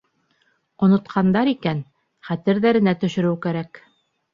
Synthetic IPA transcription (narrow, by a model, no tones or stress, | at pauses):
ŏnŏt̪qʰɑnd̪ɑɾikæn | χæt̪ɘ̆ɾðæɾɘ̆næt̪ɵ̆ʃɵ̆ɾɘwkæɾæk